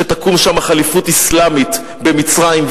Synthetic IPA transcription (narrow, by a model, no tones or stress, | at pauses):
et̪akumʃamaχalifutislamit̪ | be̞mit͡sʁaimv